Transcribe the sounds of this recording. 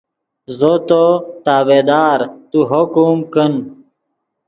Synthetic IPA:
zot̪ot̪aːbed̪aːɾt̪uɦokumkən

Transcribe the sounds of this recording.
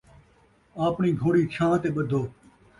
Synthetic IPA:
aːpɳiːɡʱoːɽiːkʰãːt̪eːɓəd̪ʱoː

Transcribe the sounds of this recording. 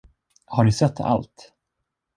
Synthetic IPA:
haɖɪsɛt̪ʰːa̰lt̪

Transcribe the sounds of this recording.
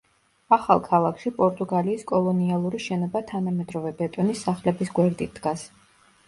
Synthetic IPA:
aχa̰lˠkʰalˠakʰʃipʼɔɾt̪ʼuɡaliːskʼɔlˠɔnialˠuɾiʃɛnɔbat̪ʰanamɛd̪ɾɔvɛbɛt̪ʼɔnisːaχlɛbisɡwɛɾd̪ʼit̪̚ʰd̪̥ɡas

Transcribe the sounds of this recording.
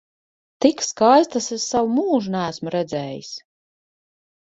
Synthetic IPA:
t̪ikskajst̪asessawumuːʒunæːsmuɾɛd̪zɛːjḭs

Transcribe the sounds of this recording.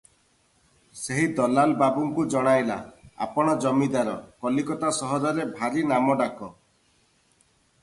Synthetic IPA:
seɦid̪ɔlalbabuŋkud͡ʒɔɽ̃ajla̰a̰pɔɽ̃ɔd͡ʒɔmid̪aɾɔkɔlikɔt̪asɔɦɔɾɔɾebʱaɾinamɔɖakɔ

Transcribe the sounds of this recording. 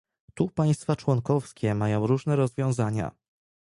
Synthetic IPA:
t̪upaj̃st̪fat͡ʂwɔŋkɔfskʲɛmajɔ̃w̃ɾuʐnɛɾɔzvʲjɔ̃w̃zaɲa̰

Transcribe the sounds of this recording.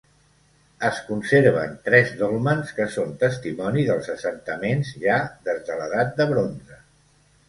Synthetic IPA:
əskunseɾβ̞ə̰nt̪ɾɛzðolˠmənskəsont̪əst̪imɔniðəlˠzəsənt̪əmenzʒaðezðələðat̪̚d̪əβɾonzə

